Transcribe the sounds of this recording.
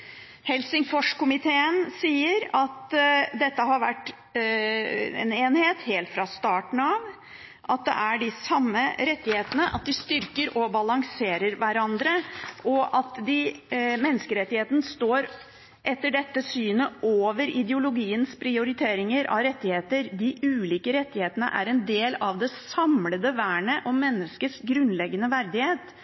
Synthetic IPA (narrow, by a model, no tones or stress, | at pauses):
hɛlsɪŋfɔʂkʊmɪt̪ʰeːənsiːəɾɑt̪d̪ɛt̪ːəɦɑɾʋæʈː | ɛ̰neːnheːt̪heːlt̪fɾɑst̪ɑːʈn̩ɑʋ | ʔɑt̪̚d̪ɛ̰ʔæɖɪsɑmːəɾɛt̪ːɪheːt̪ənəʔɑ̰t̪̚d̪ɪst̪ʏɾkəɾɔbɑlɑŋseːɾəɾʋæɾɑnd̪ɾəʔɔʔɑt̪d̪ɪmɛnːəskəɾɛt̪ːɪheːt̪ənst̪oːɾ | ʔɛt̪ːəɖɛt̪ːəsyːnəʔoːʋəɾɪd̪ɛʊlʊɡiːənspʰɾɪʊɾɪt̪ʰeːɾɪŋəɾʔɑ̰ɾɛt̪ːɪheːt̪əɾd̪ɪʉːliːkəɾɛt̪ːɪheːt̪ənə̰ʔæ̰ɾɛnd̪eːlɑʋd̪ɛsɑmləd̪əʋæːɳəʔɔmɛnːəskəsɡɾʉnlɛɡːənəʋæɾd̪ɪheːt̪